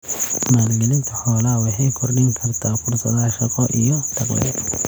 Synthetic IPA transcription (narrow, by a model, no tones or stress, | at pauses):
maːlɡɛlɪnt̪ʰɐħɔːlɐwɑħɑjkʰɔrɖɪŋkʰɐrt̪ʰaːfʊrsɐðaːʃɐqɔʔijɔd̪̥ɐɡlɛ̰